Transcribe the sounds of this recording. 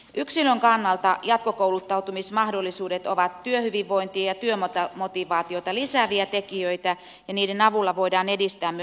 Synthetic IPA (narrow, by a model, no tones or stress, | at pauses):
ʔyksiløŋkɑnːɑlt̪ɑjɑt̪̚kokoulut̪ːɑut̪umismɑhdolːisuːdet̪oʋɑt̪tyøhyʋiʋʋo̞int̪iɑjɑt̪yømot̪ɑmot̪iʋɑːt̪iot̪ɑlisæːʋiæt̪ekiøijt̪æ | jɑniːdenɑʋulːɑʋo̞idɑːnedist̪æːmmyø